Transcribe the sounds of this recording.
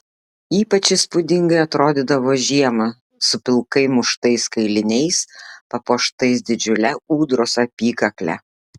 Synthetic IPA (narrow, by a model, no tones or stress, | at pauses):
iːpɐt͡ʃʲɪspʊd̪ʲɪŋɡɐɪɐt̪ɾoːd̪ʲɪːd̪ɐʋoːʒʲiɛmɐ | sʊpʲɪlˠkɐɪmʊʃt̪ɐɪskɐɪlʲɪnʲɛɪspɐpoːʃt̪ɐɪsd̪ʲɪd͡ʒʲʊlʲɛuːd̪ɾoːsɐpʲiːkɐklʲɛ̰